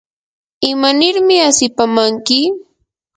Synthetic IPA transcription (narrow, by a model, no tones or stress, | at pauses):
ɪmanɪɾmɪasɪpamaŋkɪ